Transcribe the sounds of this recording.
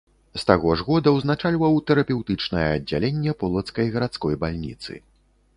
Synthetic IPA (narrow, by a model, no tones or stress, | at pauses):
st̪aɣɔʐɣɔd̪ɐwznat͡ʂalʲvɐwt̪ɛɾɐpʲɛwt̪ɨt͡ʂnɐjɛɐdd͡zʲːa̰lʲenʲːɛpɔlˠɐt̪skɐjɣɐɾat̪skɔjbalʲnʲḭt̪sɨ̰